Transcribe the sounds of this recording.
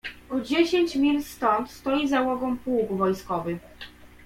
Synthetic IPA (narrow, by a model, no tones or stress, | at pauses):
ɔd͡ʑeɕeɲt͡ɕmʲilst̪ɔnt̪st̪ɔjizawɔɡɔmpuwkvɔjskɔvɘ